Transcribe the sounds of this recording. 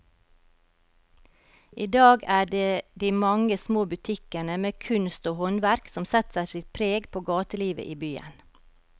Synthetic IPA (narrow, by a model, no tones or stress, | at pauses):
ʔiːd̪ɑːɡæːɖeːd̪iːmɑŋəsmoːbʉt̪ʰɪkənəmeːkʰʉnst̪oːhɔnʋæɾksɔmsɛt̪sæɪsɪt̪̚pʰɾeːɡpʰoːɡɑːt̪əliːʋə̰ʔiːbyːə̰n